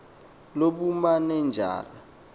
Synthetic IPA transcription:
loɓumanɛnd͡ʒʱa̰ːla

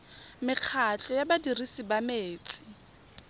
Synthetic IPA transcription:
mɪq͡χʰat͡ɬʼɔjabadirisibameːt͡sʼɪ̥

